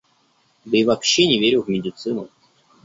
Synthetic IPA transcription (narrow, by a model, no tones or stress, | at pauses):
d̪ɨivɐpɕːenʲɪvʲeɾʲʊvmʲɪdʲɪt̪sɨnʊ̰